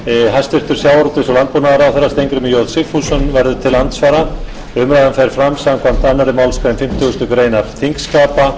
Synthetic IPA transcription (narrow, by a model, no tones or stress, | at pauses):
ɦast̪vɪɾ̥t̪ʏɾ̥sjaːwaɾut̪ɪsɔlant̪̚punaðaɾawθɛɾast̪ejŋkɾʏmɪjowðsɪfusʏnvɛɾðʏt̪ʰɪlːant̪svaːɾa | ʏmɾajðanfɛɾ̥fɾamsamkʰvamt̪anːaɾɪmawlskʰvaðɪmfɪm̥t̪ʰʏɣʏst̪ʏkɾeːjnaɾ̥θiŋkskaːpa